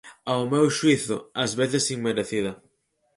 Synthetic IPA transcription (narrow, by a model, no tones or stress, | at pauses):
awmewʃwiθʊ̰ɐzβeθɪsiŋmeɾeθiðɐ